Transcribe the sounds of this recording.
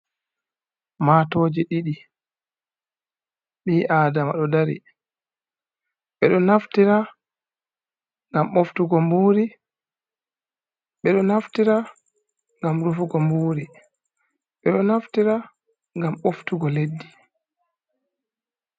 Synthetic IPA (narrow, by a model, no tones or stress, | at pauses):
maːtɔːd͡ʒɛɗiɗi | ɓiːʔaːdama̰ɗɔdaɾḭ | ɓɛɗɔnaftiɾa | ŋɡamoftuɡɔmbuːɾi | ɓɛɗɔnaftiɾa | ŋɡamɾufuɡɔmbuːɾi | ɓɛɗɔnaftiɾa | ŋɡamoftuɡɔledːi